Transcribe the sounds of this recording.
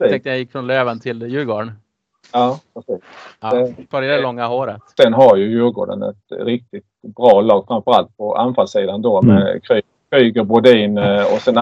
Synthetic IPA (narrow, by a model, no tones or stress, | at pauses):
ɛŋt̪jajɪkːfɾɔnløːvənt̪ʰɪljʉ̟ːɡoːɳ | jɑːpʰɾɛsiːsd̪ɛfljdɛlɔŋːahoːɾət̪sɛnɦaɾjɵjʉ̟ːɾɡo̰ːɖə̰nɛ̰t̪ɾɪk̚t̪ɪt̪bɾɑːlɑːɡ̥fɾamfœɾalt̪̚pʰɔa̰nfalsiːd̪and̪omɛ̰kʰɾyː | kɾyːɡəbʊd̪iːnɔsɛn